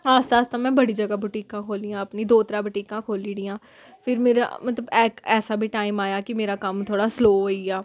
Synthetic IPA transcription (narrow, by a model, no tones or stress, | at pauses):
aːst̪aːst̪ãːmɛ̃ːbəɽiːd͡ʒəɡaːbʱʊʈiːkãːkʰoːliːjãːəpniːd̪oːt̪əɾaːbʈiːkãːkʰoːliːd̪iːãː | pʰɪɾmeːɾa̰ːmət̪ləbɛːkɛːsaːbʱiːʈaːɪmaːjaːkɪmeːɾaːkəmt̪ʰoːɽaːsloːɦoːiːɛː